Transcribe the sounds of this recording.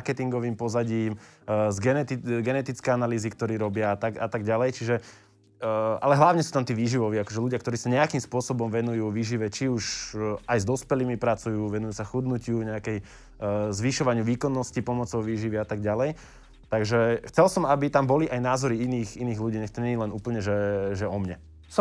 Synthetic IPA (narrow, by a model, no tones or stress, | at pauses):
ɾkɛt̪iŋɡɔʋiːmpɔzaɟiːmzɡɛnɛt̪iɡɛnɛt̪it͡skɛjanaliːzikt̪ɔɾiːɾɔbɪaat̪aɡa̰t̪aɡɟalɛjt͡ʃiʒɛ | a̰lɛɦlaʊɲɛsuːt̪amt̪iːʋiːʒiʋɔʋiakɔʒɛluɟɪakt̪ɔɾiːsaɲɛakiːmspʊɔsɔbɔmʋɛnujuːʋiːʒiʋɛt͡ʃiuʃajzd̪ɔspɛliːmipɾat͡sujuːʋɛnujuːsaxud̪nucɪuɲɛakɛj | zʋiʃɔʋaɲɪuʋiːkɔnːɔscipɔmɔt͡sɔʊʋiːʒiʋiat̪aɡ̚ɟalɛj | t̪aɡʒɛxt͡sɛlsɔmabit̪ambɔliʔajnaːzɔɾiiniːxiniːɣluɟiːɲɛxt̪ɔɲɛɲilɛnuːpl̩ɲɛʒɛʒɛɔmɲɛ | s